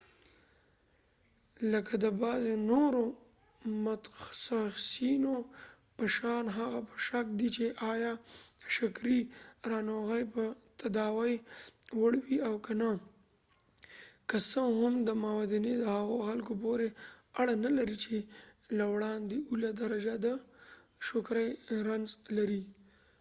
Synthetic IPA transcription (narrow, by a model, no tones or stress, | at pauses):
ləkad̪əbɑzenoɾo | mat̪saxsino | pəʃɑnɦaɣapə̥ʃakd̪it͡ʃeʔɑjɑʃakɾiɾɑnoɣajpət̪ad̪ɑwajwəɽwiawkana | kasəɦamd̪əmawad̪ined̪əhaɣoxalkopoɾeaɽanalaɾit͡ʃelawɽɑnd̪eulad̪aɾad͡ʒad̪ə | ʃokɾajɾanzlaɾi